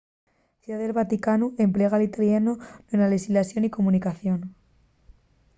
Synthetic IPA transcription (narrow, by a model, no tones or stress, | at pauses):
θjuðaðelβat̪ikanue̞mple̞ɣalit̪aljanonenalesizlasjo̞niko̞mũnikaθjo̞n